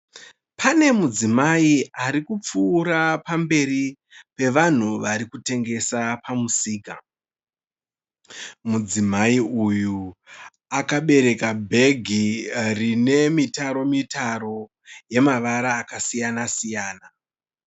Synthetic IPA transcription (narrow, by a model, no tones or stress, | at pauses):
pʰane̞mud͡zimaiaɾikup͡fuːɾapambe̞ri | pe̞ʋan̤uʋaɾikute̞ŋɡe̞sapamusiːka | mud͡zimaiuju | akaɓe̞ɾe̞kabʱe̞ɡʱirine̞mitaɾo̞mitaɾo̞ | je̞maʋaɾaːkasijanasijaːna